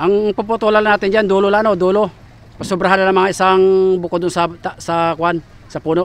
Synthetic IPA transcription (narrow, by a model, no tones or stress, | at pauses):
ʔaŋpʊpʊt̪olalanaːt̪ɪnd͡ʒand̪uːlolanod̪uːlo | pɐsʊbɾɐɦananɐŋmɐŋaʔɪsaŋbʊkod̪ʊnsɐt̪sɐkwan | sɐpuːnoʔ